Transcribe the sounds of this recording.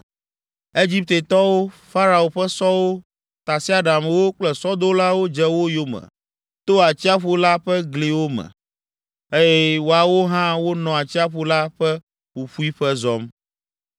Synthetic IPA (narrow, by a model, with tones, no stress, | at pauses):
e˦d͡ʑi˦p̚t̪e˨t̪ɔ˦wo˦fa˦ɾa˨o˨ɸɛ˦sɔ˦wo˦ | t̪a˨si˦a˦˨ɖa˨m˨wo˦k͡plɛ˨sɔ˦d̪o˦la˦wo˦d͡ʒɛ˦wo˦jo˦mɛ̰̃˨ | t̪o˦a˨t͡ɕi˦a˦ɸu˦la˦ɸɛ˦ɡli˨wo˦mɛ̰̃˨ | e˦jɛ˦wo˨a˨wo˦ɦã˦wo˦nɔ̃˨a˨t͡ɕi˦a˦ɸu˦la˦ɸɛ˦ | ɸu˨ɸu˦i˦ɸɛ˦zɔ˦m